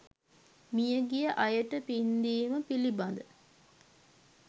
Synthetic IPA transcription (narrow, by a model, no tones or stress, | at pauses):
mijəɡijəʔɐjəʈəpind̪iːməpilibɐnd̪ə